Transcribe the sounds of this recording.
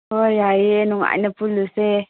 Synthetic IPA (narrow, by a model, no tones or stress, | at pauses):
ojajinuŋa̰nəpuluse